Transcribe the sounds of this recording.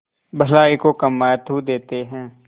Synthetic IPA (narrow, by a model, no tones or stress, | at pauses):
bʱɐlaːikokɐmːaːjət̪ɦud̪eːt̪eɦɛ̃ː